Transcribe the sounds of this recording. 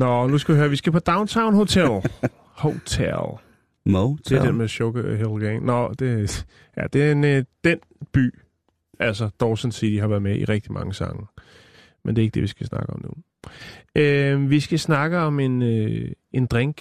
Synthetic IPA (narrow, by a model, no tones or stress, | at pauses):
nɒnus̬kɡ̥æʋihøːɐʋisɡ̥æpʰɒ̽d̥ɑ̈ʊnt͡sʰäʊ̃nho̝t͡sʰel | hot͡sʰḛl | t͡sʰe̝d̥enmeɕɔɡ̥əɦelɡ̥eŋnɒd̥e | jæ̰d̥e̝nd̥en | b̥y̰ː | ælsɐd̥ɒʊsənsḭd̥iɦhɑ̈ʋæɐðˠmeʔḭʁɛɡ̥d̥imʔɑ̈ŋəsɑ̈ŋə | mende̝ɐe̝ɡ̥əd̥e̝ʋisɡ̥æsnɑ̈ɡ̥əɒ̽mnṵ | ømʋisɡ̥æsnɑ̈ɡ̥əɒ̽me̝nø | e̝nd̥ʁeŋɡ̥